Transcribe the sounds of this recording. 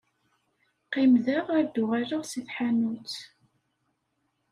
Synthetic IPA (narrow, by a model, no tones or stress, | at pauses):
qimðəʁæɾd̪ʊʁaɾəʁsiθħanut͡s